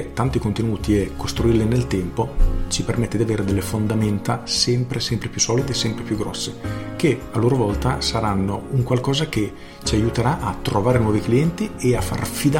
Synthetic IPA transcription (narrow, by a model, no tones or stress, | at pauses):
t̪ːant̪ikont̪enuːt̪iɛkʰːost̪ɾuirlinelt̪ɛmpot͡ʃipermɛt̪ːed̪iaveːɾed̪elːefond̪amɛnt̪asɛmpɾesɛmpɾepjusːɔːlid̪esɛmpɾepjuɡːɾɔ̰sːekealːoːɾovɔlt̪asaɾanːouŋkwalkɔːzak̟e | t͡ʃiajut̪eɾaʔat̪ːɾovaːɾenwɔːvikliɛnt̪ieafːa̰rfid̪a